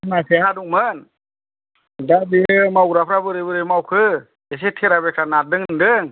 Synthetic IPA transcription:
naseɦaduŋmɯn | dabiɯmawɾapʰɾabɯɾɯjbɯɾɯjmawkʰɯ | es̬etʰeɾabekʰɾanadɯŋndɯŋ

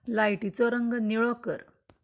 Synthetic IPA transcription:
lajʈit͡sɔɾəŋɡniɭɔkəɾ

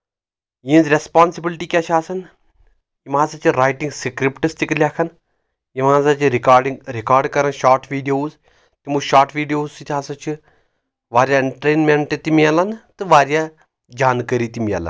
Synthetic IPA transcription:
jĩːnzɾespaːnsibilʈiːkʲat͡ʃʰaːsɐn | jimãːsɐt͡ʃʰiɾaːjʈĩŋɡsikɾipʈɨst̪iklʲaːkʰɐn | jimãːzɐt͡ʃʰiɾikaɖiŋɾikaːɾɖkɐɾɐnʃaːɾʈʰʋiːɖijoːz | t̪imuʃaːɾʈʰʋiːɖijoːzit̪ʰʲaːsɐt͡ʃʰi | ʋaːɾjaɳʈɾeːnmeɳʈet̪imiɐlɐnt̪ɨʋaːɾija | d͡ʒaːnkəɾiːt̪imiɐ̰lɐ̰n

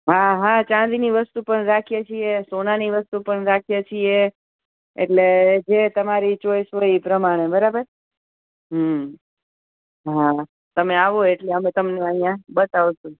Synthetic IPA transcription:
ɦaɦat͡ʃãd̪iniʋəst̪upəɳɾakʰijet͡ʃʰiesonaniʋəst̪upəɳɾakʰijet͡ʃʰie | ḛʈled͡ʒet̪əmaɾit͡ʃojsʋəipɾəmaɽ̃ebəɾabəɾ | ɦə | ɦa | t̪əmeaʋoeʈleəmet̪əmneəɦijãbət̪aʋʃũ

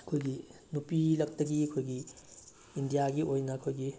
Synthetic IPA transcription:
ɐkʰojɡinupilɐk̚tɐɡiɐkʰojɡi | indijaɡiʔojnɐɐkʰojɡi

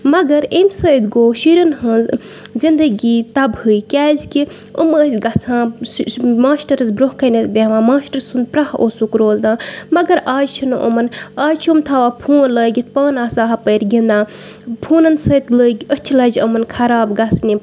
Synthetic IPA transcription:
mɐɡɐɾemsəːd̪ɡoːʃiɾɐnɦɨ̃ | zind̪əɡiːt̪ɐbhɨikʲɛːzki | ə̰məsʲɡɐt͡sʰãː | maːsʈɐɾɐzbɾohkɐnɐt̪bʲeʋãːmaːsʈɐɾsund̪̚pɾɐhʔosukɾoːzãːmɐɡɐɾaːd͡ʒt͡ʃʰinɨʔə̰mɐnaːd͡ʒt͡ʃʰiumt̪ʰɐʋaːpʰũːləːɡʲit̪̚ʰpaːnaːsaːɦɐpəɾɡĩnd̪ãː | pʰuːnɐnsəːt̪ləːɡʲət͡ʃʰilɐd͡ʒəmɐnkʰɐɾaːbɡɐt͡sʰni

